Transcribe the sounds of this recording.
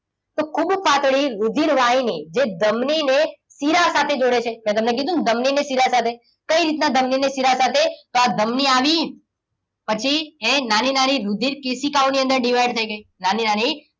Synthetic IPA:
t̪okʰubfat̪ɽiɾud̪ʱiɾʋaɦinid͡ʒed̪əmnine | siɾasat̪ʰed͡ʒoɽet͡ʃʰemɛ̃t̪əmnek̬id̪ũd̪əmninesiɾasat̪ʰe | kəiɾit̪nad̪ʱəmninesiɾasat̪ʰet̪oad̪ʱəmniaʋi | pət͡ʃʰiẽnaninaniɾud̪ʱiɾkesikaoniə̃nd̪əɾɖiʋajɖt̪ʰəiɡəinaninani

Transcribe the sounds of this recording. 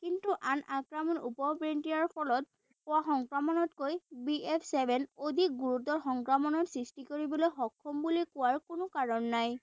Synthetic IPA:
kintuʔanʔakɹamɔnṵpɔpɹentiaɹpʰɔlɔt̚ | ʊaxɔŋkɹamɔnɔtkojbiepʰsɛbʱɛnodʱik̚ɡuɹutɔɹxɔŋkɹamɔnɔtsɹistikoɹibɔlojxɔkʰːɔmbulikʊwaɹkʊnʊkaɹɔnːaj

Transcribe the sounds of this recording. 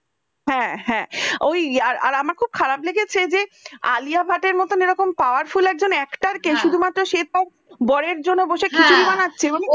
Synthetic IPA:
ɦɛ̃ɦɛ̃ojaɾa̰ɾamaɾkʰub̚kʰaɾapleɡet͡ɕʰed͡ʑea̰liabʱaʈeɾmɔt̪oneɾɔkompaoaɾfulɛk̚d͡ʑonɛkʈaɾkeʃud̪ʱumat̪ːɾoʃet̪̚a | bɔɾeɾd͡ʑonːoboʃekit͡ɕʰuɾibanatːɕʰemane

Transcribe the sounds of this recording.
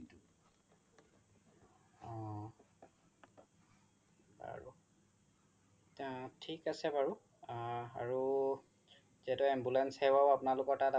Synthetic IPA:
t | ɔ | a̰ɹṵ | tʰikasɛbaɹu | aɹu | zɛtɔɛmbulɛnshɛwaapʊnalʊkɔtata

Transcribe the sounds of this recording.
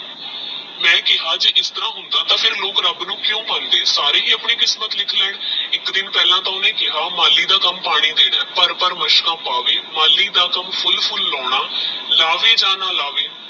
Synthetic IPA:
mɛ̃ːkɪɦaːd͡ʒəʔɪst̪əɾãːɦʊnd̪aːt̪ãːpʰɪɾloːkɾəbnũːkjõːbənd̪eːsaːɾeːɦiːəpɳiːkɪsmət̪lɪkʰlɛːɳɪkd̪ɪnpɛːlãːt̪ãːʊnẽːkɪɦaːmaːlːiːd̪aːkəmpaːɽ̃iːd̪eːɽɛːpəɾpəɾməʃkãːpaːʋeːmaːlːiːd̪aːkəmpʰʊlpʰʊlːɔːɽ̃aːlaːʋeːd͡ʒaːnaːlaːʋeː

